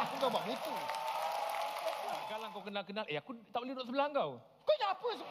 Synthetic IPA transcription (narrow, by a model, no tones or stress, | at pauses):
ŋkawbaʔmit̪u | aɡalaŋkawkənalk̬ənalʔeakut̪aʔboledɔaʔsəbəlaŋkaw | koapəs̬ə